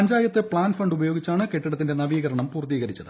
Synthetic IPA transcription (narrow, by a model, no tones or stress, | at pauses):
ɐɲd͡ʑaːjɐt̪ːɨpɭaːnfɐɳɖubɐjo̞ːɡit͡ɕːaːɳɨke̞ʈːiɽɐt̪ːinde̞nɐʋiːɣɐɾɐɳɐmpuːrt̪iːɣɐɾit͡ɕːɐðɨ